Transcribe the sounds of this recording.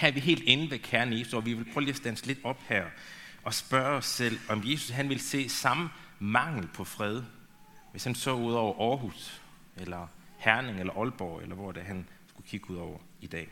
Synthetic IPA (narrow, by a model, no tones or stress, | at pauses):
hæʋiɦe̝̰ːld̥enəʋekʰæɐnesd̥ɒːʋiʋe̝lpʰʁœːliɐsd̥ænsəle̝d̥ɒ̽b̥hæɐ̰ʔɒ̽sb̥ɶɐɒ̽sːel̰ɒ̽mje̝ːsu̥sɦænʋe̝lse̝̰ːsɑ̈mə | mɑ̈ŋ̰l̩pʰɒ̽fʁɛð̞ˠ | ʋe̝shænsɔ̰ːuð̞̰ˠɒʊɐʔɒːɦus | elɐhæɐne̝ŋelɐʔɒ̽lb̥ɒ̰ːelɐʋɒ̰d̥æɦænsɡ̥ukʰiɡ̥əuð̞ˠɒʊɐ | id̥ɛ̰ː